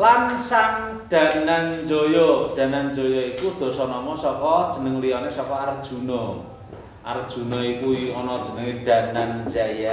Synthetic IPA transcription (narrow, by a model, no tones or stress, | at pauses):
lansaŋ | ɖ̥a̤nand͡ʒojɔɖ̪̥a̤nand͡ʒojɔikud̪̥o̤sɔnɔmɔsɔkɔd̥ʒ̥ə̤nəŋlijɔnesɔkɔard̥ʒ̥ṳnɔ | ʔard̥ʒ̥ṳnɔikuɔnɔd̥ʒ̥ə̤nəŋid̪̥a̤nand͡ʒaja